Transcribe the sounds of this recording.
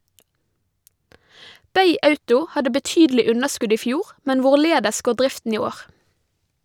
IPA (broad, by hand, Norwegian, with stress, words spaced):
ˈbeɪ ˈɑʉtʊ ˈhɑdə bəˈtyːdəlɪ ˈʉnəˌʃkʉd ˈiː ˈfjuːʁ ˈmɛn ˈʋʊˌɭeːdəs ˈɡoː ˈɖɾɪftn̩ ˈiː ˈoːʁ